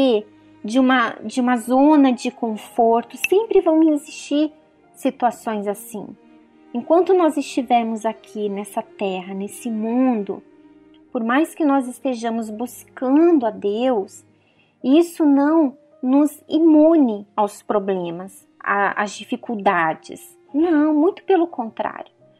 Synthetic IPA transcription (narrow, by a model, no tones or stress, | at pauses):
e | d͡ʒɪũmɐd͡ʒɪũmɐzõnɐd͡ʒɪkõfoɾt̪ʊsẽmpɾɪvɐ̃w̃hezist͡ʃiɾ | sit̪uasõj̃zasĩ | ẽŋkwɐ̃nt̪ʊnɔzɪst͡ʃivɛɾmʊzakʰinɛsɐt̪ɛɦɐnesɪmũd̪ʊ̰ | poɾmajskɪnɔzɪst̪eʒɐ̃mʊzbuskɐ̃nd̪ʊad̪ews | isʊnɐ̃w̃ | nʊzimũnɪawspɾoblẽmɐs | a̰ɐ̰zd͡ʒifikuwd̪ad͡ʒɪ̰s | nɐ̃w̃mũj̃t̪ʊ̥pelʊkõnt̪ɾa̰ɾjʊ